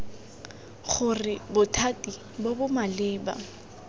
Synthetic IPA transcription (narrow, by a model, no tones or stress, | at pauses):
χʊrɪbʊtʰatʼi | bobʊmalɪːba̰